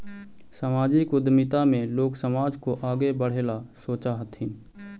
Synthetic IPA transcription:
samaːd͡ʒikʊd̪mɪt̪amẽloːksəmaːd͡ʒkoʔaːɡebəɽ̤eːlasoːt͡ʃaɦət̪ĩ

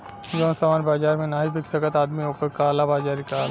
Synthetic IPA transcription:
joːnsɐmaːnbaːd͡ʒaːɾmẽnaːibɪksɐkət̪aːd̪miɦoːkəkaːlabaːd͡ʒaːɾikaːl

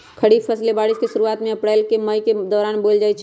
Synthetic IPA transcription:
kʰəɽipʰəslebaɽiskesuɾuat̪mẽəpɽalkeməjked̪ɔːɾanbold͡ʒajt͡ʃʰ

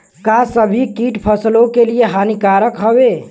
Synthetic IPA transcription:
kasəbʱikiʈpʰəslokelijeɦanikaɾəkɦəbe

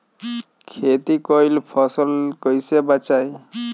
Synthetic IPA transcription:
kʰet̪ikɔjlpʰɔsɔlkɔjsebat͡ʃaj

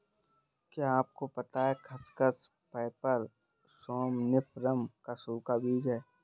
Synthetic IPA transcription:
kjaːp̚kopɐt̪aɦɛxʰɐskəs | pɛːpəɾ | sɔːmnɪpʰɾəmkasuːkabʱiːd͡ʒɛː

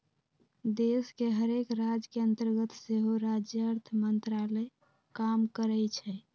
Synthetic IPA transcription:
d̪eskeɦəɾekɾad͡ʒkeənt̪əɾɡət̪seɦoɾad͡ʒjəəɾt̪ʰəmənt̪ɾalə | kamkəɾɛt͡ʃʰɛ

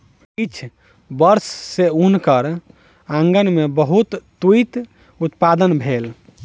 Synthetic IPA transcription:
it͡ʃʰ | bəɾsːeunkəɾ | ãŋɡənmebəɦut̪ːuit̪ | ut̪pad̪ənbʱel

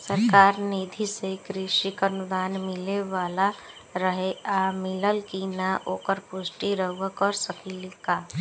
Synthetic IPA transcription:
səɾkaːɾnid̪ʱisekɾɪʃikənʊd̪aːnmɪleʋaːla | ɾəɦeʔamɪləlkinaʔoːkəɾpʊsʈiɾəɦuwəkɔɾsəkilka

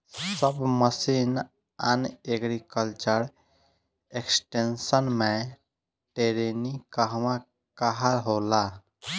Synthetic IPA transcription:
səbməsin | aneɡɾikəlt͡ʃəɾ | eksʈensənme | ʈeɾenikaɦma | kaɦalɦola

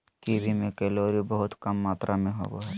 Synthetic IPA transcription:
kiːbʱimẽkɛloːɾibəɦʊt̪kɐmːaːt̪ɾʔamẽɦo̰ːɡo̰ɦɛː

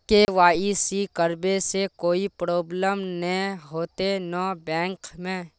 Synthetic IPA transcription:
keʋaːisikəɾbesekoːipɾoːbləmnɐĩɦoːt̪enɔːbɛ̃ːŋkmẽ

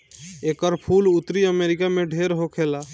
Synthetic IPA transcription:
ekəɾpʰulut̪ɾiəmeɾikamẽɖʱeɾɦokʰela

